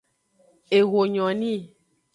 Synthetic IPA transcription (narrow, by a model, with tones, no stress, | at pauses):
e˨ɣo˨ɲɔ̃˨nĩ˦˨